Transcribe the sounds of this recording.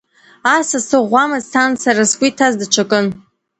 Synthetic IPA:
asasɨʁʷamɨzsʰant͡saɾasɡʷitʰazdat͡ʃʷʰakʼɨn

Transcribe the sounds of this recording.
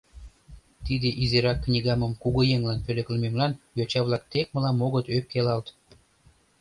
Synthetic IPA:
t̪id̪eʔizeɾɑkːnʲiɣɑməmkuɣojeŋlɑnpølʲĕkləmemlɑnjot͡ɕɑβlɑk̚t̪ek̚məlɑmoɣət̪øp̚kelɑlt̪

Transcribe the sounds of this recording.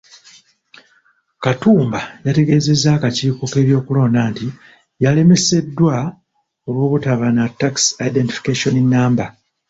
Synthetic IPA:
katuːmbajate̞ɡe̞ːze̞zːakaciːko̞ke̞ːβjo̞ːkulo̞ːndaːnti | jale̞me̞se̞dːwa | o̞βwo̞ːβutaβanatːaksajide̞ntifi̥kaʃo̞ninːaːmba

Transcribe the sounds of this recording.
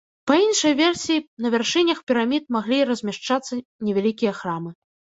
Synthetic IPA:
pɐinʂɐjvʲɛrsʲijːnɐvʲarʂɨnʲɐxpʲɛɾamʲit̪maɣlʲiɾɐzʲmʲaʂt͡ʂat̪sːɐnʲɛvʲalʲikʲijɐxɾamɨ

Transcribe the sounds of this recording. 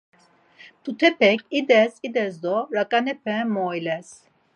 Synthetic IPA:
t̪ut̪ʰɛpɛkid̪ɛsid̪ɛzd̪ɔɾakʼanɛpʰɛmɔjlɛs

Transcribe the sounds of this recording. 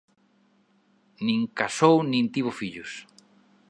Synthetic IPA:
nĩŋkasownĩnt̪iβʊfiʎʊs

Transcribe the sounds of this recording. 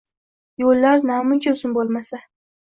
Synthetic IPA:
jolːaɾnamʊnt͡ʃʰaʊsʊnbolˠmasa

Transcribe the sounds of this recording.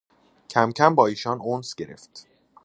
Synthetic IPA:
cʰæmcʰæmbɒːiːʃɒːnonsɟe̞ɾe̞̰ft̪

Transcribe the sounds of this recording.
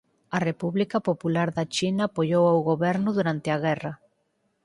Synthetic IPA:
ɐrepuβlikɐpopulaɾðɐt͡ʃinaːpoʎowawɣoβɛɾnʊðuɾant̪ɪɐɣɛrɐ

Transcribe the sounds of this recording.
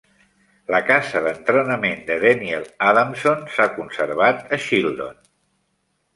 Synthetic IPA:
ləkazəðənt̪ɾənəmend̪əðɛniɛlˠaðamsonsakunsəɾβ̞at̪əʃilˠd̪o̰n

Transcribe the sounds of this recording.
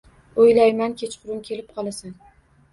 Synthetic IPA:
ojlajmankʲʰet͡ʃqʰʊɾɪmkʲʰe̞lɪp̚qʰɒlˠasan

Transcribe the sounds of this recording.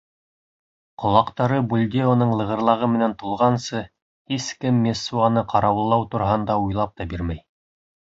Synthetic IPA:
qŏlˠɑqt̪ɑɾɤbulʲd̪ʲeonɤɴlˠɤ̆ʁɤ̆ɾlˠɑʁɤmɘ̆nænt̪ulˠʁɑnsɤ | hiskɘmːesːuɑnɤqʰɑɾɑwɤ̆lˠːɑwt̪ŭɾɑɦɑnd̪ɑujlˠɑp̚t̪ɑbiɾmæj

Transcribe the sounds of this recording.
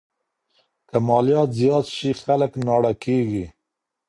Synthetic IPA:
kamɑlijɑt̪zijɑt̪ʃixaləknɑɽakeɡi

